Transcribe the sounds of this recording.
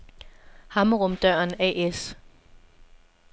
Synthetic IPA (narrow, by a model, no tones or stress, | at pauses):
hɑ̈mʁɔmd̥ɶɐ̰nɛ̰es